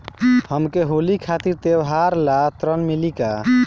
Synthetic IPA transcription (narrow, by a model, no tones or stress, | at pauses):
həmkeɦolikʰat̪iɾt̪ewɦaɾlat̪ɾənmilika